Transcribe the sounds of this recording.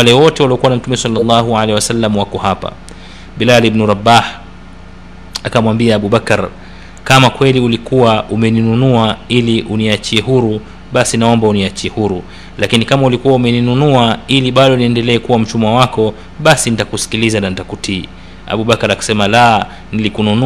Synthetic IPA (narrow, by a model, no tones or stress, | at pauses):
walɛwɔtɛwaliɔkuwanam̩tumɛsɑlːalˤːɑɦualɛhiwasalːamwakɔhapa̰ | ɓilalibnuɾabah | akamwambiaːɓuɓakaɾ | kamakwɛliulikuwaumɛninunuailiʔuniat͡ʃiɛhuɾu | ɓasinaɔmbauniat͡ʃiɛhuɾu | lakinikamaulikuwaumɛninunuailiɓaɗɔniɛndɛlɛːkuwam̩t͡ʃumwawakɔ | ɓasinitakusi̥kilizananitakutʰi | a̰ɓuɓakaɾakḁsɛmala | nilikununu